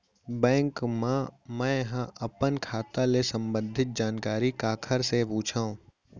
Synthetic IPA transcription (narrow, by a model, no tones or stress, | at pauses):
bɛ̃ːŋkmãmɛ̃ɦãʔɐpənkʰaːt̪alesə̃mbə̃nd̪ʱɪt̪̚d͡ʒaːnkaːɾikaːkʰəɾsepuːt͡ʃʰaːũ